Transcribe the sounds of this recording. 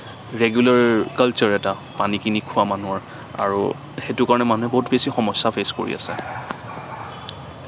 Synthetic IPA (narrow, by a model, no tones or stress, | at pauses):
ɹeɡjulaɹkalt͡ʃɔɹɛta | panikinikʰʊamanuɔɹ | a̰ɹṵ | xetʊkaɹɔnɛmanuɛboɦutbesixɔmɔsapʰesko̰ɹḭa̰sɛ̰